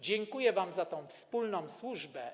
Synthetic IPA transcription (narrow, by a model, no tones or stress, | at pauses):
d͡ʑɛŋkujɛvamzat̪ɔ̃w̃fspulnɔ̃w̃swuʐbɛ